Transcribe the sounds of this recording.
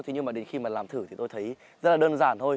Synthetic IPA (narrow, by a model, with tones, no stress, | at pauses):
t̪ʰi˨˩ɲɨ˧mːaː˨˩ɗe˨˦nxi˧maː˨˩laː˨˩mt̪ʰɨ˧˩t̪ʰi˨˩t̪o˧jt̪ʰə˨˦j | zə˦˥t̚laː˨˩ɗəː˧nzaː˧˩nt̪ʰo˧j